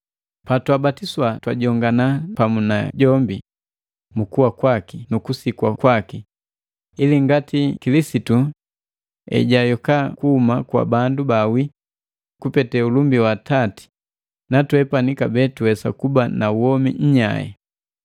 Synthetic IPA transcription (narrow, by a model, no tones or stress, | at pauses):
patwabatiswatwaɟɔŋɡanapamunaɟɔmbi | mukuwakwakinukusikwakwaki | iliŋɡatikilisitu | ɛ̰ɟajɔkakuhumakwa̰bandubawi | kupɛtɛulumbiwatati̥ | natwɛpanikabɛtuwɛsa̰kubanauwɔmḭɲ̩ɲa̰jɛ̰